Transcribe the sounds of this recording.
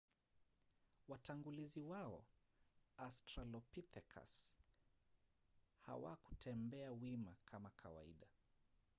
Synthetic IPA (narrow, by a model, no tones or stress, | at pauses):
wataŋɡuliziwaɔ̰ | astɾalɔpitɛkʰa̰s | ha̰wa̰ku̥tʰɛmbɛawimakʰamakʰa̰wa̰ḭɗa